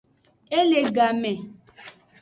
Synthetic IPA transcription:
e˦le˨ɡa˨me˨

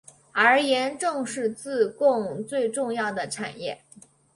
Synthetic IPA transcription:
ə˞˧˥jɛ˧˥nʈ͡ʂɤ˥˧ŋʂɻ̩˥˧t͡sɹ̩˥˧kʊ˥˧ŋt͡swe˥˧ɪʈ͡ʂʊ˥˧ŋjɑ˥˩ʊd̪ə˩ʈ͡ʂʰa̰˨˩njɛ˥˩

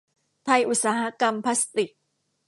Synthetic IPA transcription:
t̪ʰa˧jʔu˨˩t̪̚saː˩˦ɦa˦˥ka˧mpʰa˦˥st̪i˨˩k̚

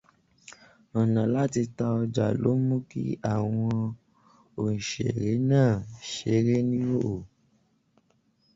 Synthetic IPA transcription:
ɔ˨nã˨la˦ti˧ta˧ɔ˧d͡ʒa̰˨lo˨˦mũ˦kḭ˦a˦˨w̃ɔ̃˧ | õ˨ʃḛ˨ɾe˨˦nãː˦˨ʃe˨˦˨ɾe˦nĩ˦o˦ʔo˨

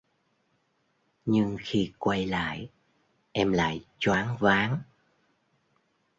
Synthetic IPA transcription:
ɲɨ˧ŋxi˧kwa˧jla̰ː˧˨j | ʔɛ˧mla̰ː˧˨jt͡ɕwaː˨˦ŋvaː˨˦ŋ

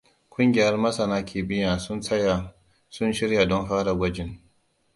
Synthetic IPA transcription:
kʷʊ˦ŋɡʲɪ˨jɐ˦rmɐ˦sɐ˨naː˦kʲʰeː˨bɪ˦jaː˨sʊ˦nsɐ˦ja˨ | sʊ˦nʃɪ˦rja˨dɔ˦nɸaː˦ɽa˨ɡʷɐ˦d͡ʒɪ˨ŋ

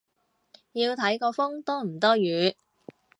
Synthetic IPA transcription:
jiː˧wt̪ʰɐ˨˥jkɔː˧fʊ˥ŋt̪ɔː˥m̩˨˩t̪ɔː˥jyː˨˥

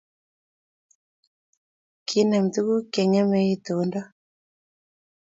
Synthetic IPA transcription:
kʰi˦na˨mt̪u˦ku˦kɛ˨ŋɛ˦mɛ˦i˦t̪o˨˦ndɔ˦

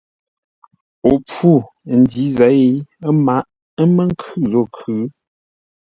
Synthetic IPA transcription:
o˨p͡fu˦˨ | n̩˨˦di˨˦za˨˦e˦ma˨˦ʔ | mə˦ŋ˦kʰʉ˦˨zɔ˦˨kʰʉ˨˦

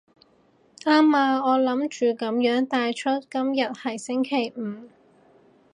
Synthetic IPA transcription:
ʔaː˥maː˧ɔː˨˧lɐ˨˥mt͡ʃyː˨kɐ˨˥mjœː˨˥ŋt̪aː˧jt͡ʃʰɵ˥t̚kɐ˥mjɐ˨t̚hɐ˨˩jsɪ˥ŋkʰe˨˩jm̩ː˨˩

